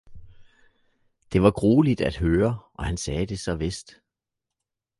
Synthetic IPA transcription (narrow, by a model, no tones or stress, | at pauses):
d̥e̝ʋɑ̈ɡ̥ʁoːlid̥æd̥ɦøːɐʔɒ̽hænsɛːd̥e̝sɒ̽ʋesd̥